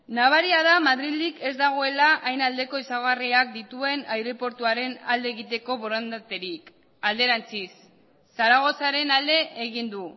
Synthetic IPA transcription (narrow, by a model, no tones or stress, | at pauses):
naβ̞aɾiaðamaðɾilike̞zd̪aɣ̞o̞e̞laʔajnald̪e̞ko̞isaɣariak̚d̪it̪ue̞najɾo̞po̞ɾt̪uaɾe̞nald̪e̞ːɣit̪e̞ko̞βo̞ɾand̪at̪eɾik | ald̪e̞ɾant͡sisː | aɾaɣ̞o̞saɾe̞nald̪e̞ːɣind̪u